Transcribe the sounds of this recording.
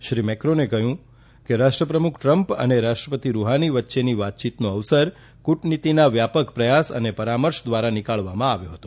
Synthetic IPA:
ʃɾimɛkɾonekəɦjũ | keɾaʃʈɾəpɾəmukʰʈɾəmpə̰neɾaʃʈɾəpət̪iɾuɦaniʋət̪ːʃeniʋat̪̚t͡ʃit̪noəʋsəɾ | kuʈnit̪inaʋjapəkpɾəjasə̰nepəɾaməɾʃd̪ʋaɾanɪkaɭʋamãaʋjoɦət̪o̥

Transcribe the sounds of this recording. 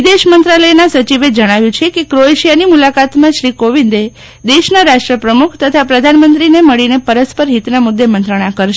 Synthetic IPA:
id̪eʃmənt̪ɾaləenasət͡ʃiʋed͡ʒəɽ̃aʋjũt͡ʃʰekekɾoeʃijanimulakat̪mãʃɾikoʋind̪e | d̪eʃnaɾaʃʈɾəpɾəmukʰt̪ət̪ʰapɾəd̪ʱanmənt̪ɾineməɭinepəɾəspəɾɦit̪namud̪ːemənt̪ɾəɽ̃akəɾʃ

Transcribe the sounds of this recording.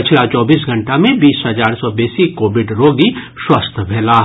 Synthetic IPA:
ɪt͡ʃʰlat͡ʃɔːbiːs̬ɡʱɐ̃ɳʈamẽbiːsɦɐd͡ʒaːɾsɔbeːsikoːʋɪɖɾoːɡi | ʃwɐst̪ʰbʱɛːla

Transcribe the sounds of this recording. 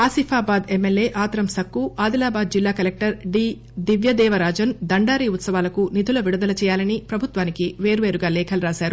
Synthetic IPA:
aːsifʰaːbaːd̪emːelːeːʔaːt̪ɾɐmsɐkːuʔaːd̪ilaːbaːd̪̚d͡ʒilːaːkɐlek̚ʈɐɾɖiː | d̪iʋjɐd̪ɛːʋɐɾaːd͡ʒɐnd̪ɐɳɖaːɾiːut̪sɐʋaːlɐkunid̪ulɐʋiɽud̪ɐlɐt͡ʃɛːjaːlɐnipɾɐbʱut̪ʋaːnikiʋe̞ːɾuʋeːɾuɡaːlɛːkʰɐluɾaːsaːɾu

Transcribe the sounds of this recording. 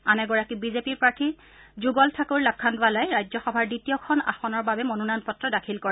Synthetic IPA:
anɛɡɔɹakibizepiɹpaɹtʰi | zuɡɔltʰakoɹlak̚kʰːandʊalajɹajzɔxɔbʱaɹditijɔkʰɔna̰xɔnɔɹbabɛmɔnunanpɔtɹɔdakʰilkɔɹɛ

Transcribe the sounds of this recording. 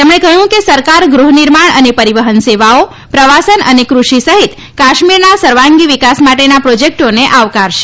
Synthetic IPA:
t̪emɳ̃ekəɦjũkesəɾkaɾɡɾuɦniɾmaɳənepəɾiʋəɦənseʋao | pɾəʋasənənekɾuʃisəɦit̪ | kaʃmiɾnasəɾʋãŋɡiʋikasmaʈenapɾod͡ʒek̚ʈoneʔaʋkaɾʃe̥

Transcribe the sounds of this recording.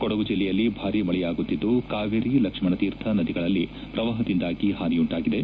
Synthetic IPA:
kɔɽɐʋud͡ʒilːɛjɐlːibʱaːɾimɐɭɛjaːɡut̪ːid̪ːukaːʋɐɾiːlɐkʂmɐɳɐt̪iːɾt̪ʰɐnɐd̪iɡɐɭɐlːipɾɐʋaːɦɐd̪ind̪aːɡiɦaːniuɳʈaːɡid̪e

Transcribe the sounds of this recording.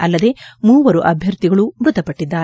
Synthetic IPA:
ɐlːɐd̪e̞muːʋɐɾuʔɐbʱjɐɾt̪iɡɐɭumɾut̪ɐpɐʈːid̪ːaː

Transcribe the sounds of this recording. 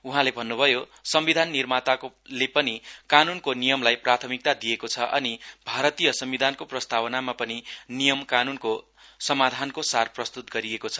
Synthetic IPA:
uɦãlebʱʌnːubʱʌjo | sʌmbid̪ʱanːirmat̪aklepʌnikanunkonijʌmlajprat̪ʰʌmik̚t̪ad̪ijekot͡sʰʌʔʌ̰nibʱaɾʌt̪ijʌsʌmbid̪ʱankoprʌst̪ʰawʌnamapʌninijʌmkanunko | sʌmad̪ʱankosarprʌst̪ut̪̚ɡʌɾiekot͡sʰʌ̥

